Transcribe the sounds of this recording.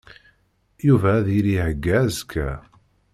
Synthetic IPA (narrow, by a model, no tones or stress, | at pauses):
juvæːðiɾihəɡːææzkʰːæ̰